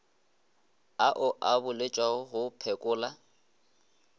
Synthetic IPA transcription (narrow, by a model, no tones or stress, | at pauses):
aʔʊʔabʊlet͡ʃʼwaʊɦʊpʰɛkʼʊːla